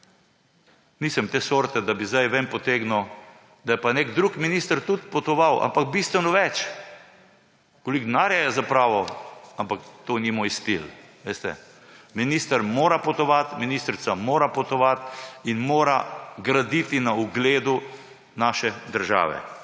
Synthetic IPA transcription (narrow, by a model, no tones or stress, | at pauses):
niːsɛmt̪eːsoːɾt̪ɛd̪abizd̪ajʋɛnpɔt̪eːɡno | d̪ajɛpanekd̪ɾukminist̪əɾt̪ut̪pɔt̪ɔʋawʔa̰mpak̚bist̪ʋɛnɔʋɛt͡ʃ | kolikd̪naɾjajɛzapɾaːʋɔampakt̪oːnimoːjst̪ilʋest̪ɛ̰ | minist̪əɾmoːɾapɔt̪ɔʋat̪minist̪ɾit̪samoːɾapɔt̪ɔʋat̪inmoːɾaɡɾad̪it̪inauɡleːd̪u | naːʃɛd̪əɾʒa̰ːʋɛ̰